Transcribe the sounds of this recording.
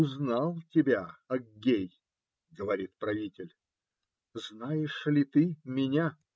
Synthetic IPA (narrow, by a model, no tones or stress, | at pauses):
ʊznɑlˠtʲɪbʲaɐɡʲej | ɡəvɐɾʲit̪pɾɐvʲitʲɪlʲ | znajɪʂlʲɪt̪ɨmʲɪnʲa